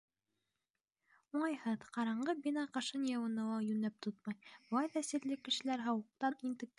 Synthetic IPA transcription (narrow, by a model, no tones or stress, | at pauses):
uɴɑjhɤðqɑɾɑɴɢɤbinɑqɤ̆ʃɤnjɑwɤ̆nɤ̆wɑjʉnæp̚t̪ʰot̪̚mɑjbˠɑjðɑsɘ̆ɾlɘkːɘ̆ʃɘ̆læɾɦɑwɤ̆q̚t̪ɑnint̪ɘ̆k̚